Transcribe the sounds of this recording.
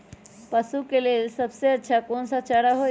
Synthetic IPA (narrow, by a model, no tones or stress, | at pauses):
pəsukelelsəbseətːʃʰakonsat͡ʃəɽaɦo